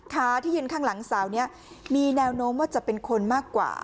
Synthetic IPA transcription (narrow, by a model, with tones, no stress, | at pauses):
t̪ʰaː˦˥t̪ʰiː˥˩jɯː˧nkʰaː˥˩ŋla˩˦ŋsaː˩˦wni˦˥ɐ | miː˧nɛː˧wnoː˦˥mwaː˥˩t͡ɕa˨˩pe˧nkʰo˧nmaː˥˩kːwa̰ː˨˩